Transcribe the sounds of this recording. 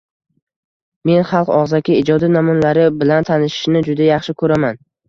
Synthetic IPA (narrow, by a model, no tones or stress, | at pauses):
me̞nχɑlˠqɒʁzakʲʰɪɪd͡ʒɒd̪inamɒnlaɾɪbɪlant̪ʰanɪʃɪ̥ʃnɪd͡ʒʊd̪ajɑχʃɪkʰɵɾaman